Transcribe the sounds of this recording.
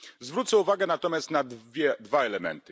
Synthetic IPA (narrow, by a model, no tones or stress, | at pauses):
zvɾut̪sɛuvaɡɛnat̪ɔmjast̪nad̪vʲɛd̪vaɛlɛmɛ̰nt̪ɘ̥